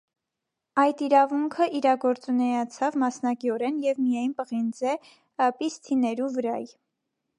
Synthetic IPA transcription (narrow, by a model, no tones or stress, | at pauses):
ɑjd̪iɾɑvuŋkʰəʔiɾɑɡɔɾt͡sunɛjɑt͡sʰɑvmɑsnɑkiɔɾɛnjɛvmijɑjnpəʁind͡zɛ | pist̪ʰinɛɾuvəɾɑ̰j